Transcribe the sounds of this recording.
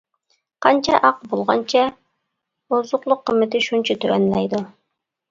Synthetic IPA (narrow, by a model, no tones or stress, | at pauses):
qʰɑnt͡ʃʰɑʔɑq̚bolˠʁɑ̰nt͡ʃʰɑ | ozʊqlˠʊqʰːəmːɪt̪ɪʃunt͡ʃʰɑt̪ʰyɾɛnlɛjd̪u